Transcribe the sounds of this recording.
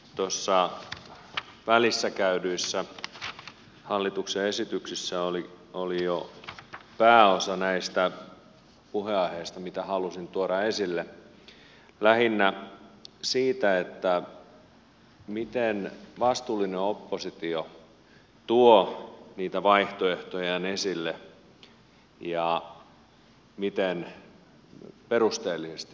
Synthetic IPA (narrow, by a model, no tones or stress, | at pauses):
t̪osːɑ | ʋælisːækæydyisːæ | hɑlːit̪ukseesit̪yksisːæoli | olijo | pæːosɑnæist̪æ | puheɑiheist̪ɑmit̪æhɑlusint̪uoɾɑesilːe | læhinːæ | siːt̪æet̪ːæ | mit̪enʋɑst̪uːlːineopːosit̪io | t̪uoniːt̪æʋɑiht̪oeht̪ojɑnesilːe | jɑ | mit̪en | perust̪eːlːisest̪i